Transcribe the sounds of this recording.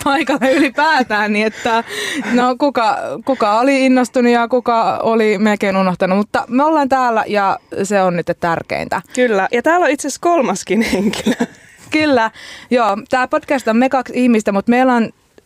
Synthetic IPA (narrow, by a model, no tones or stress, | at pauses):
pʰɑikɑlːeylipæːt̪æːnniet̪ːænokukɑkukɑoliinːost̪unujɑkukɑo̰limelkeinunoht̪ɑnumut̪ːɑmeolːɑːnt̪æːlːæ̰jɑseonnyit̪ːet̪t̪ærkḛḭnt̪æ̰kylːæjɑt̪æːlːoit̪seskolmɑskinheŋki̥læ | kylːæjoːt̪æːpod̥kæst̪ommekɑksihmist̪æmut̪meilɑn